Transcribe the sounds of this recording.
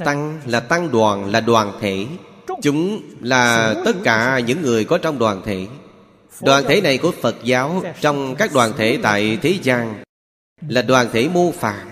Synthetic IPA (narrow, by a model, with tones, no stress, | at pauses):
t̪a˧ŋlaː˨˩t̪a˧ŋɗwaː˨˩nlaː˨˩ɗwaː˨˩nt̪ʰe˧˥ | t͡ɕʊ˨˦ŋ͡mlaː˨˩t̪ə˦˥t̚kaː˧˩ɲɨ̰˧˥ŋːɨ˨˩əjkɔ˨˦t͡ɕɔ˧wŋ͡mɗwaː˨˩nt̪ʰe˧˦ | ɗwaː˨˩nt̪ʰe˧˩˦na˨˩jkṵ˧˩əfə˨˩t̚zaː˨˦wt͡ɕɔ˧wŋ͡mkaː˦˥k̚ɗwaː˨˩nt̪ʰḛ˧˩t̪a̰ː˧˨jt̪ʰe˨˦zaː˧ŋ | laː˨˩ɗwaː˨˩nt̪ʰe˧˩˦mo˧faː˨˩t̚